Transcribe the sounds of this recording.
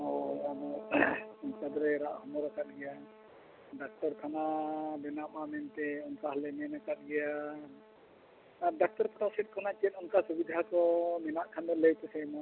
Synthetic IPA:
ɔamɔ | unkad̪ɾɛɾaʔhɔmɔɾakat̪̚ɡɛja | ɖak̚ʈɔɾk̪ʰanabɛnaʔmamɛnt̪ɛɔnkaɦalɛmɛnakat̪̚ɡɛja | aɖak̚ʈɔɾpɾasɛt̚kʰanat͡ʃiɛt̪̚ɔnkasubid̪ʱakɔmɛnaʔkʰanmɛləjt̪ɛsɛjmɔ

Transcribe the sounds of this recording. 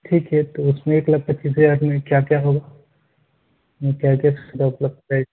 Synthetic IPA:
ʈʰiːkɦɛt̪oʊsmẽeːklab̚pɐʃiːs̬ɦɐd͡ʒaːɾmẽkjaːkjaɦoɡa | kjaːkjasd̪aʊpləb̪̚a

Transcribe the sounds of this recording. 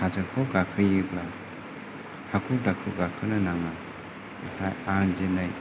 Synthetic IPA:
hazɯkʰɔɡakʰɯjɯbla | hakʰudakʰɯɡakʰɯnanaŋa | hajaŋd͡ʒenaj

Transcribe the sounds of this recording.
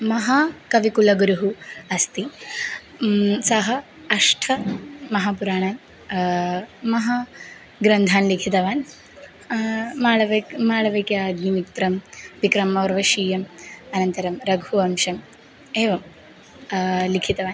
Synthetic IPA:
mɐɦakɐʋikulɐɡɾuɦuɐst̪i | sɐɦɐ | ɐʂʈʰɐmɐɦaːpuɾaːɳɐm | mɐɦa | ɡɾɐnd̪ʱaːnlikʰit̪ɐʋaːn | maːɭɐʋɐmaːɭɐʋɐjkjaːɐɡnimikt̪ɾɐmʋikɾɐmɐʋɐɾʋɐʃiːjɐmɐnɐnt̪ɐɾɐmɾɐɡʱuɐmʃɐm | eːʋɐm | likʰit̪ɐʋaːn

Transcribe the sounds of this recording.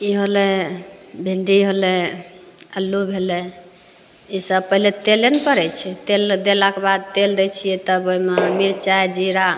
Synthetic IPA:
iɦole | bʱeɳɖiɦole | əlːubʱele | isəb̚pəɦilet̪elenpəɾɛjt͡ʃʰɛt̪eld̪elakebad̪̚t̪eld̪et͡ʃʰijet̪əboimemiɾt͡ʃajd͡ʒiɾa

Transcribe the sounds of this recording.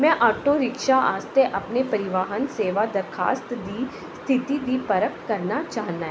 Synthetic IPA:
mɛ̃ːʔaːʈoːɾɪkʃaːa̰ːst̪eʔəpnepəɾɪʋaːɦənseːʋaːd̪əɾkʰa̰ːst̪d̪iː | st̪ʰɪt̪iːd̪iːpəɾəkkəɾnaːt͡ʃaːɦnaɦɛ̃

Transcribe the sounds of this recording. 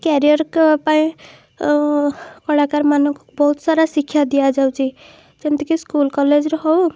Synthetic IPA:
kɛɾijɔɾkpaĩ | kɔɽakaɾmanɔ̃ku̥bɔɦut̪saɾasikʰːjad̪ijad͡ʒawt͡ʃʰi | kint̪ikiskulkɔled͡ʒɾɔɦɔw

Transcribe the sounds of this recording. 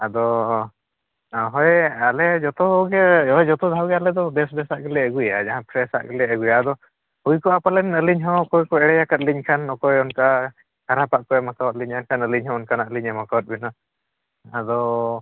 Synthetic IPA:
ad̪ɔ | ɦɔjalɛd͡ʒɔt̪ɔɡɛɦɔjd͡ʒɔt̪ɔd̪ʱawɡɛalɛd̪ɔd̪ɛsd̪ɛsaʔɡəlɛəɡuja̰d͡ʒaɦãpʰɾɛsa̰ʔɡəlɛəɡujaːd̪ɔ | hujkɔapalɛnəliɲɦɔwɔkɔjkɔɛɽɛjakat̪̚liɲkʰanːɔkɔjɔnka | kaɾapaʔkɔjmakawat̪̚liɲankʰanəliɲɦɔ̃ɔnkanaʔliɲamakawɔt̪̚bina | ad̪ɔ

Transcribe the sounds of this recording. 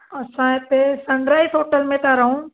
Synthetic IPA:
ɐsãp̪esɐ̃nd̪ɾaːit̪ʰoːʈəlmẽt̪aɾɐɦũː

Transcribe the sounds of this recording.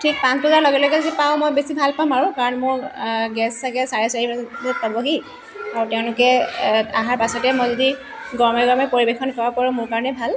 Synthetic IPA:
tʰik̚pansbʱɔzaɹlɔɡɛlɔɡɛzipaʊ̃mojbesibʱalpamaɹʊ̃kaɹɔnmʊɹɡɛsːaɡɛsaɹɛsaɹizɔpabɔɦi | aɹtɛʊ̃lʊkɛaɦaɹpasɔtɛmojzodi | ɡɔɹmɛɡɔɹmɛpoɹibexɔnkɔbapɔɹɔ̃mʊɹkaɹɔnɛbʱal

